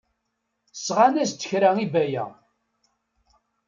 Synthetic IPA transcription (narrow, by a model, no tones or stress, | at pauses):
sʁanæst͡s̪ːəçɾæŋibæjæ̰